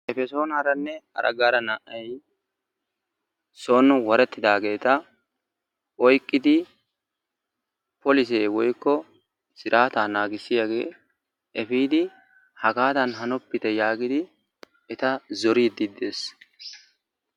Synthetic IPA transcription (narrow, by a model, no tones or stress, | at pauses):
ʔɛfɛso̞ːnɐɾɐnːɛhɐ̰ɾʔɐ̰ɡaːɾɐnɐʔɐj | soːnʊwɔɾɛt̪ːɪd̪aːɡe̞ːt̪ɐ | ʔɔjkʼːɪd̪ɪ | pɔlɪs̬eːwɔjkːɔ | sɪɾʔaːt̪aːnaːɡɪsːɪjaɡe̞̰ː | ʔɛfiːd̪ɪ | hɐɡaːt̪ɐnɦɐnɔpːɪt̪ɛjaːɡɪd̪ɪ | ɛt̪ɐzɔɾiːd̪id̪eːs